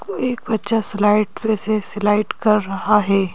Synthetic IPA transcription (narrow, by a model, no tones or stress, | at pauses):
koeːk̚bɐt̪ːʃaslaːɪʈmesesɪlaːɪʈkɐɾːɐɦaɦɛː